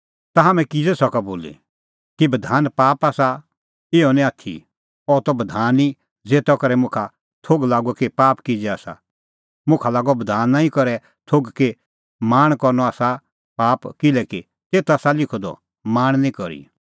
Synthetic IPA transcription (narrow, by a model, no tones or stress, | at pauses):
t̪aɦamɛ̃kid͡zɛsɔkaboːlḭ | kibɐd̪ʱaːnpaːpaːsa | ɪːɔnĩaːt̪ʰḭ | ɔt̪ɔbɐd̪ʱaːni | d͡zeːt̪ɔkɐɾɛmʊ̃kʰa | t̪ʰoːɡlaːɡɔkepaːpkid͡zɛaːsa̰ | mʊ̃kʰalaːɡɔbɐd̪ʱaːnːãːĩkɔɾɛ | t̪ʰoːɡke | maːɽ̃kɔɾnɔaːsa | paːpkɪlɛki | t̪eːt̪aːsalɪkʰod̪ɔ̰ | maːɽ̃nĩkɔɾḭ